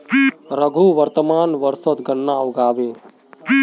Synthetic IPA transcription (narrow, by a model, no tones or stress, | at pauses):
ɾəɡʱuʋəɾt̪əmaːnʋəɾsət̪ɡənːauɡaːbe